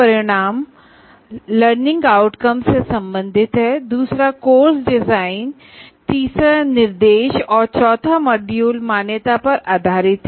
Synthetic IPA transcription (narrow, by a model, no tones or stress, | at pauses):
ɐɾɪɽ̃aːm | ləɾnɪ̃ŋɡaːʊʈkəmsesɐ̃mbə̃nd̪ʱɪt̪ɦɛd̪uːsɾakoːɾsɖɪzaːɪn | t̪iːsanɪɾd̪eːʃɔːɾt͡ʃɔːt̪ʰamɐɖjuːlmaːnjət̪apɐɾʔaːd̪ʱaːɾɪt̪ɦɛ